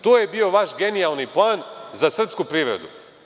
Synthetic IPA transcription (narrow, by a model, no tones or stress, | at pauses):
t̪oːjebio̞ʋaʃɡe̞nijalˠniplˠaːnzasr̩pskupɾiːʋɾḛd̪ṵ